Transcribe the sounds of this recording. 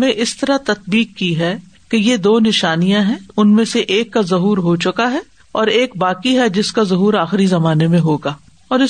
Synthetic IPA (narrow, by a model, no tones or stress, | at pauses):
mẽʔɪst̪ɐɾat̪ɐt̪̚biːkːiɦɛ | kejed̪oːnɪʃaːnijãɦɛ̃ʊnmẽseʔeːkːazɐɦuːɾɦot͡ʃʊkaɦɛ | ɔːɾeːk̚baːkiɦɛd͡ʒɪskazɐɦuːɾaːxɪɾizɐmaːnemẽɦoːɡaː | ɔːɾɪ